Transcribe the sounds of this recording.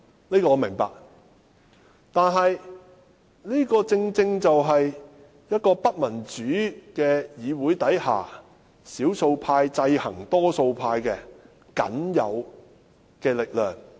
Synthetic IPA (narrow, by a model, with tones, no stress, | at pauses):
liː˥kɔ˧ɔː˨˧mɪ˨˩ŋpa̰ː˨k̚ | t̪aː˨nɦɐ˨j | liː˥kɔː˧t͡sɪ˧ŋt͡sɪ˧ŋt͡sɐ˨wɦɐ˨j | jɐ˥t̚kɔː˧pɐ˥t̚mɐ˨˩nt͡ʃyː˨˥kɛː˧jiː˨˧wuː˨˥jt̪ɐ˨˥jha̰ː˨˩ | siː˨˥wso˧wpʰaː˧jt͡sɐ˧jhɐ̰˨˩ŋt̪ɔː˥so˧wpʰaː˧jkɛː˧ | kɐ̰˨˥njɐ̰˨˧w | kɛː˧lɪ˨k̚lœː˨ŋ